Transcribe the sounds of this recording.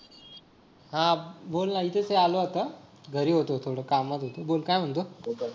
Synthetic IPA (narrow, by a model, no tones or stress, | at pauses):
ɦãbolnait̪et͡sɦealoat̪əɡʱəɾiːɦot̪ot̪ʰoɽəkamːat̪ɦot̪obolkajm̤əɳt̪o